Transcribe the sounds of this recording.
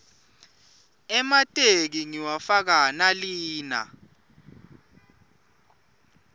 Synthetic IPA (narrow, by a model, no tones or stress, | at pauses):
ɛmatʼek̬iŋiwafak̬analiːna̰